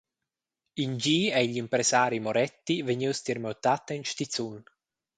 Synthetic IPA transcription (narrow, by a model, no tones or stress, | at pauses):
ind͡ʒiːɛiʎimpɾɛsaːɾimɔɾɛt̪ːiveɲiwst̪irmɔt̪ːat̪ːinʃt̪it̪t͡sːun